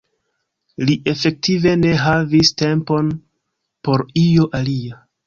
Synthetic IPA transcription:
liʔe̞fe̞k̚tʰive̞ne̞ɦaviste̞mpo̞n | po̞ɾio̞ʔalia

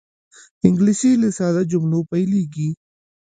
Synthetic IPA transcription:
ɪ̃ŋɡliʃilisaːd̪ad͡ʒʊmlopəjliɡiː

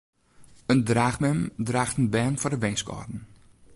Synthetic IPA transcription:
əndraːxmɛmdraːxtənbɛːnfɔdəʋɛnskɔ̰rdn̩

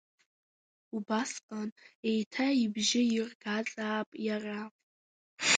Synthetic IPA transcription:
ubasqʼanejtʰaibʒɪɪrɡat͡sʼaːpʼjara

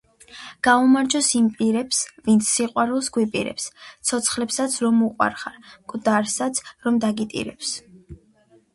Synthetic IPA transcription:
ɡ̥aumaɾd͡ʒɔsimpʼiɾɛpsvint̪sʰːiqʼwaɾulˠsɡwipʼiɾɛ̰pst̪sʰɔt̪sʰχlɛpsat̪sʰɾɔmuqʼwa̰ɾχaɾkʼd̪aɾsat̪sʰɾɔmd̪aɡit̪ʼḭɾɛ̰ps

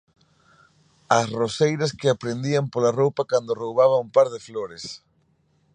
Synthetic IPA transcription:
ɐsrosejɾɐskɪapɾend̪iampolarowpakand̪orowβaβaumpaɾðɪfloɾɪs

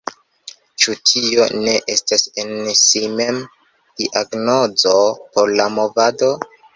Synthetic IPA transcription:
t͡ʃutʰio̞ne̞ʔe̞stasensime̞m | d̥iʔaɡno̞d͡zo̞poɾlamo̞vado̞

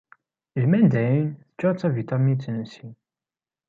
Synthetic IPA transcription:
ʒmænd̪æjinθə̥t͡ʃːæt͡sːævit̪ɑmint͡sːənsin

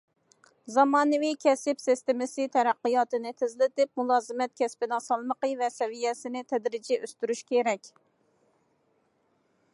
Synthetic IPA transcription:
zɑmɑːnɨvikʲʰɛsɪpsɪst̪ɪmɪsɨt̪ʰɛɾæqːɨjɑːt̪ɨnɨt̪ʰɪzlɪt̪ɪp̚mulˠɑːzɨmɛt̪̚kʲʰɛspɪnɑsɑlˠməqəvɛsɛvijɛsɪnɪt̪ʰɛd̪ɾɪd͡ʒɛʔøst̪yɾyʃkʲʰeɾɛkʲ

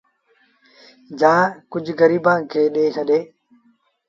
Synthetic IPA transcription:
d͡ʒãːkʊd͡ʒɡɐɾiːbãːŋkʰeːɗeːt͡ʃɐɗeː

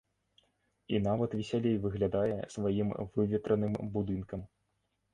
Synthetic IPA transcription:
inavɐt̪vʲisʲalʲejvɨɣlʲad̪ajɛsvajimvɨvʲɛt̪ɾɐnɨmbud̪ɨnkɐm

